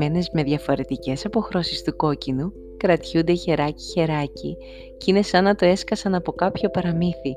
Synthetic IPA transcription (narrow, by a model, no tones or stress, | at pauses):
e̞ne̞zme̞ðʝɐfo̞ɾe̞t̪ice̞sɐpo̞xɾo̞sist̪uko̞cinu | kɾɐt̪çund̪e̞çe̞ɾɐci̥çe̞ɾɐci | cine̞sɐnɐt̪o̞e̞skɐsɐnɐpo̞kɐpço̞pɐɾɐmiθi